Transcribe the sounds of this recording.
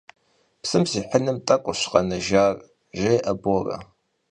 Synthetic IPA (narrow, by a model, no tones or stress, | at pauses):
psɨmsiːħənɨmtʼɐkʷʼʊɕqɐnɐʒaːr | ʒejʔɐborɐ̰